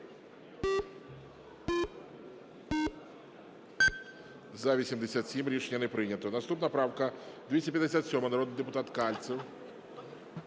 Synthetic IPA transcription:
zɐʋʲisʲimd̪esʲat̪sʲimɾʲiʂnʲːɐnɛpɾɪnʲɐt̪ɔnɐst̪upnɐpɾawkɐd̪ʋʲisʲɛpjɐd̪eɪsʲat̪sʲɔmɐnɐɾɔd̪nɨd̪epʊt̪at̪kalʲt̪sʲiw

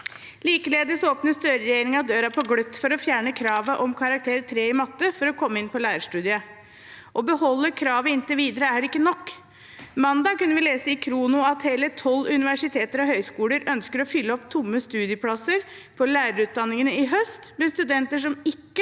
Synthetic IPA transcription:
liːkəleːd̪əsoːpnəst̪øːɾəɾɛjeːɾɪŋɑd̪øːɾɑpʰɔɡɽœt̪ːfɔɾɔfjæːɳəkʰɾɑːʋəʔɔmkʰɑɾɑk̚t̪ʰeːɾət̪ʰɾeːɪmɑt̪ːəfɔɾɔkʰɔmːəɪnpɔlæːɾəʂʈʉːd̪ɪə | ʔɔbəhɔlːəkʰɾɑːʋəɪnt̪əʋiːd̪əɾəææɾɪkːənɔkː | mɑnd̪ɑːkʉnːəʋɪleːsəɪkʰɾuːnʊɑt̪heːlət̪ʰɔlːʉnɪʋæʂɪt̪ʰeːt̪əɾɔɦœʏskuːləɾœnskəɾɔfʏlːəɔpt̪ʰʊmːəst̪ʉːd̪ɪəpʰlɑsəɾ | pʰɔlæːɾəɾʉːt̪̚d̪ɑnːɪŋənəɪɦœst̪mɛst̪ʉd̪ɛnt̪əʂ̬ɔmɪkːə

